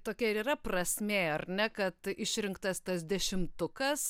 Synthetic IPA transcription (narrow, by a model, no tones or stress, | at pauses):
t̪oːkʲɛɪɾiːɾɐprɐsʲmʲeːɐrʲnʲɛkɐt̪ɪʃʲɾʲɪŋkt̪ɐst̪ɐsd̪ʲɛʃʲɪmt̪ʊkɐs